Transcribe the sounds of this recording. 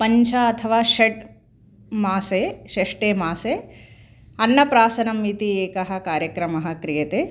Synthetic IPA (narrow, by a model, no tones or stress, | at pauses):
pɐɲt͡ʃʰɐɐt̪ʰɐʋaːʃeʈ | maːseːʃeʂʈeːmaːseː | ɐnːɐpɾaːsɐnɐmːit̪ieːkɐɦɐ̆kaːɾjɐkɾɐmɐɦɐ̆kɾijɐt̪eː